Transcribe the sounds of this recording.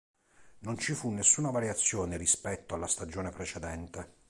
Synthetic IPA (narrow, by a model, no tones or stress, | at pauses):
nont͡ʃifunːesːuːnavaɾjat̪sːjɔːnerispɛt̪ːoalːast̪ad͡ʒɔːnepɾet͡ʃed̪ɛnt̪e